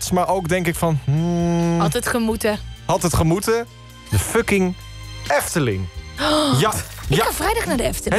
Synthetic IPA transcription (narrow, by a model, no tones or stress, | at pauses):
tɪ̥smaːɹʔowɡdɛŋkɪkfɑn̩ɦɑtətχəmutəhɑtətχəmutə | dəføkɪŋ | ɛftəlɪŋ | ɪχavrɛjdɑχnaːdəɛftəl